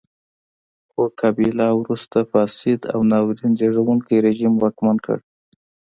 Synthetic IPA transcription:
xokʰabilɑwɾust̪afɑsɪd̪a̰wnɑwɾinzeʐawuŋkiɾeʒimwɑkmankə̰ɽ

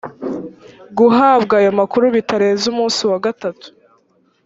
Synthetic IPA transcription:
ɡuɦaːbɡaːjo̞makuɾuβitaɾe̞ːzumuːsiwaɡatatu̥

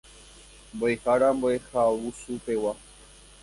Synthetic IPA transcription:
mboehaɾamboehawusupewa

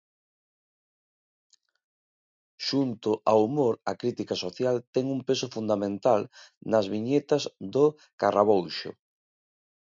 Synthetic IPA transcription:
ʃunt̪ʊʔaumoɾɐkɾit̪ikasoθjalt̪ɛŋumpesʊfund̪amẽnt̪alnɐzβiɲet̪ɐzðʊ | ka̰raβowʃʊ̰

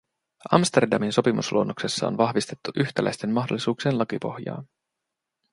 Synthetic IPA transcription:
ɑmst̪e̞rdɑminso̞pimṵslʔuonːokse̞sːɑo̰nʋɑhʋist̪e̞t̪ːuʔyçt̪ælæ̰jst̪e̞mmːɑɦdo̞lːisuːkseːnlɑkipo̞̰hjɑ̰ːn

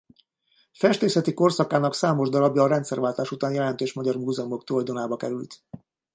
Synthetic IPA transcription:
fɛʃt̪eːsɛt̪iko̞rsɒkaːnɒksaːmo̞ʒd̪ɒɾɒbjɒːɾɛnt̪sɛrvaːlt̪aːʃut̪aːnjɛlɛnt̪øːʃmɒɟɒrmuːzɛmo̞k̚t̪ulɒjd̪onaːbɒkɛɾylt̪

